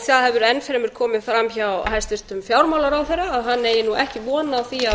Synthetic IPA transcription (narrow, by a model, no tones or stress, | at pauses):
θjaðhɛvʏɾɛnːfɛɾɛmɪɾ̥kʰɔːmɪðfɾamçawɦajst̪vɪst̪ʏmfjawɾmawlaɾawθɛjraːðɦanːejɪnuʔɛhcɪvɔːnaθia